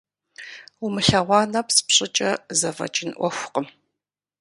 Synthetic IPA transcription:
umɨɬɐʁʷɑːnɐpsɨ̥pɕʼɪt͡ʃʼɐzɐvɐ̰t͡ʃʼɪnʔʷɔxʷʊqəm

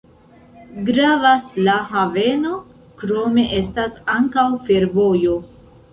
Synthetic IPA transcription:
ɡɾavaslaɦave̞no̞ | kɾo̞me̞ʔe̞stasaŋkawfe̞ɾvo̞jo

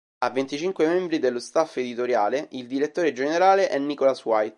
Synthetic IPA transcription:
avːent̪it͡ʃiŋkwemembɾid̪elːost̪afːed̪it̪oɾjaːleʔild̪iɾet̪ːoːɾed͡ʒeneɾaːleʔɛnːikolaswajt̪

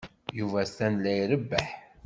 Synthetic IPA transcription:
juvæstænlːæjɾəbːəħ

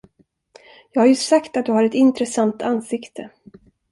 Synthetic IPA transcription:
jɑːɡhaɾjɵsakt̪at̪̚d̪ɵhaɾɛt̪ɪnt̪ɾɛsant̪anːsɪkt̪ʰə

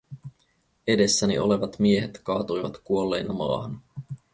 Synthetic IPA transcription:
e̞de̞sːænḭʔo̞̰le̞ʋɑt̪mie̞ɦet̪kɑːt̪ujʋɑt̪kuolːe̞jnɑmɑ̰ːhɑn

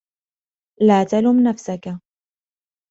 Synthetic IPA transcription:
laːt̪alʊmnafsaka

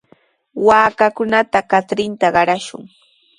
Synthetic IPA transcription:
waːkakʊnat̪akat͡sɾɪnt̪aɢɑɾaʃʊ̰ŋ

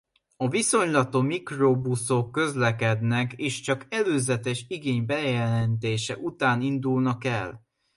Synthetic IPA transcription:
ɒviso̞ɲlɒt̪omikrobuso̞kːø̞zlɛkɛd̪nɛkeːʃt͡ʃɒkɛløːzɛt̪ɛʃiɡeːɲbɛjɛlɛnt̪eːʃɛʔut̪aːnind̪ulnɒkɛl

